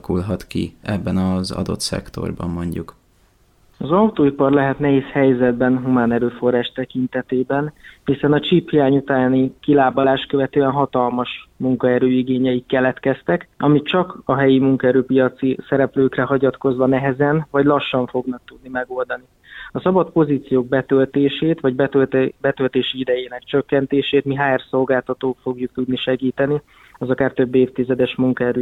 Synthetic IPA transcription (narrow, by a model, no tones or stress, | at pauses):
kulɦɒt̪kḭɛbːɛnɒzɒ̰d̪o̞̰t̪sɛ̰kt̪o̞̰rbɒ̰mːo̞ɲɟuk | ɒzɒut̪oːipɒrlɛɦɛt̪nɛɦeːshɛjzɛd̪bɛnɦumaːnɛɾøːfo̞raːʃt̪ɛkint̪ɛt̪eːbɛnhisɛnɒt͡ʃiphijaːɲut̪aːnikilaːbɒlaːʃkøvɛt̪øːɛnɦɒt̪ɒlmɒʃmuŋkɒɛɾøːiɡeːɲɛikkɛlɛt̪kɛst̪ɛkɒmitt͡ʃɒkɒɦɛjimuŋkɒɛɾøːpijɒt̪sisɛɾɛpløːkrɛɦɒɟɒt̪ko̞zʋɒnɛɦɛzɛnvɒɟlɒʃːɒɱfo̞ɡnɒk̚t̪ud̪nimɛɡo̞ld̪ɒni | ɒsɒbɒt̪po̞ziːt̪sijoːɡ̚bɛt̪ølt̪eːʃeːt̪ʋɒɟbɛt̪ølt̪bɛt̪ølt̪eːʃiid̪ɛjeːnɛkt͡ʃø̞kːɛnt̪eːʃeːt̪miɦaːɛrso̞lɡaːlt̪ɒt̪oːk̪fo̞ɡjuk̚t̪ud̪niʃɛɡiːt̪ɛni | ɒzɒkaːrt̪ø̞bːeːft̪izɛd̪ɛʃmuŋkɒɛɾøː